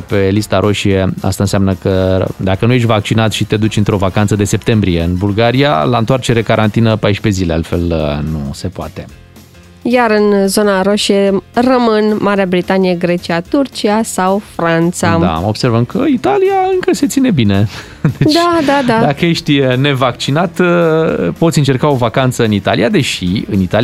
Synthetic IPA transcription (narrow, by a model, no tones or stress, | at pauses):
pe̞list̪aɾʔo̞ʃie̞a̰st̪aɨnsjamnəkəd̪akənujeʃ̬ʲvak̚t͡ʃinat̪ʃit̪e̞d̪ut͡ʃʲɨnt̪ɾo̞vakant̪səd̪e̞se̞p̚t̪e̞mbɾije̞ɨnbulɡaɾija̰laɨnt̪oart͡ʃe̞ɾe̞kaɾʔant̪inəpajʃpe̞zilea̰lt̪fe̞lnṵse̞poa̰t̪e̞ | jaɾɨnzo̞naɾoʃierəmɨnmaɾeabɾit̪anijeɡɾe̞t͡ʃiat̪urt͡ʃiasawfɾant̪sad̪a̰o̞bse̞rvəmkʰəit̪alijaɨŋkəse̞t̪sine̞bine̞ | d̪edt͡ʃ̪ad̪ad̪ad̪akəjeʃt̪ʲne̞vak̚t͡ʃinat̪ | po̞t̪sʲiɨnt͡ʃe̞rkao̞vakant̪səɨnit̪alijad̪e̞ʃiɨnit̪al